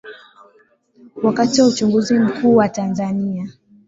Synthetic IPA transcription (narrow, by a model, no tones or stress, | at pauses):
wakatiwaut͡ʃuŋɡuzim̩kuːwatanzania